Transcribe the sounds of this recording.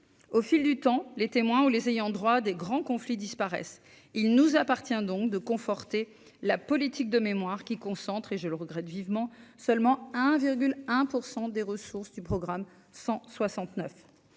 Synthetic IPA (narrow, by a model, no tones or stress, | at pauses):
ofild̪yt̪ɑ̃let̪emwɛ̃ulezejɑ̃d̪ʁwad̪eɡʁɑ̃kɔ̃flid̪ispaʁɛ̰s | ilnuzapaʁt̪jɛ̃d̪ɔ̃k̚d̪əkɔ̃fɔʁt̪e | lapɔlit̪ik̚d̪əmemwaʁkʲikɔ̃sɑ̃t̪χeʒələʁəɡʁɛt̪vivmɑ̃sœlmɑ̃ɛ̃viʁɡʲylɛ̃puʁsɑ̃d̪eʁəsuʁsd̪ypχɔɡʁam | sɑ̃swasɑ̃t̪nœf